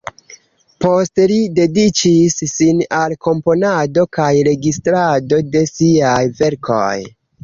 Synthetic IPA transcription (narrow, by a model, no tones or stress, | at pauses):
po̞stelide̞dit͡ʃisːinalko̞mpo̞nado̞kajɾe̞ɡistɾado̞de̞siajve̞ɾkʰo̞̰j